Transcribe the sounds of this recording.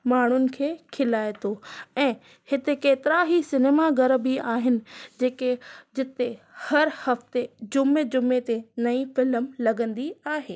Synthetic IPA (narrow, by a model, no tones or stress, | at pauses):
maːɳ̤ʊnɪ̆kʰeːkʰɪlaːet̪ʰoɛ̃ː | hɪt̪ekeːt̪ɪɾaɦisɪneːmaɡɐɾbiaːɦɪnɪ̆d͡ʑeːked͡ʑɪt̪ehɐɾhɐft̪ed͡ʑʊmed͡ʑʊmet̪enɐĩfɪlmlɐɡə̃nd̪iaːɦeː